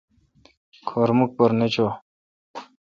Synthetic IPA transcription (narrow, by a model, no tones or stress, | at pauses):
kʰoɾmuk̚pɐɾnet͡ɕo